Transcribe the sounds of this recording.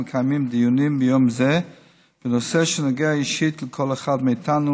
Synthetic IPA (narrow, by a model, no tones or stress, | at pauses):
kʰajmimd̪ijunimbɪjomzɛ | b̥ənosɛʃənaɡeaiʃit̪ləkʰɔleχadmeit̪ʰanu